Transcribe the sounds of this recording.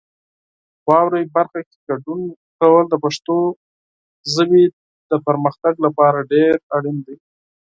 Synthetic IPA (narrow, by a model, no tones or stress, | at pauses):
wɑwɾajbaɾxake̥ɡaɖun | kawəld̪əpaʂt̪o | zəbe | d̪̥əpəɾməxt̪aɡlapɑɾaɖeɾaɽind̪aj